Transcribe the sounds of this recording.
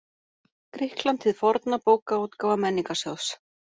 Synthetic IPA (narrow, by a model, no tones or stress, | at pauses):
kɾɪhklant̪ʰɪðfɔɾt̪napoːwkaowt̪kaːwvamɛnːiŋkasɔws